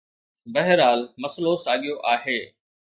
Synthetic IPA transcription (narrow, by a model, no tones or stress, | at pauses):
bɐɦɪɾaːlmɐslosaːɠɪjoʔaːɦeː